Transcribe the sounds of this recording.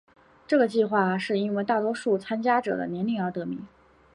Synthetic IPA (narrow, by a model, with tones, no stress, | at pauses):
ʈ͡ʂɤ˥˩ɡə˩t͡ɕi˥˧xwa˥˧ʂɻ̩˥˩i˥nwe˥˧ɪt̪a˥˩t̪wɔ˥ʂu˥˩t͡sʰa˥nt͡ɕja˥ʈ͡ʂɤ̰˨˩d̪ə̰˦njɛ˧˥nli˥˩ŋə˞˧˥t̪ɤ˧˥mḭ˧˥ŋ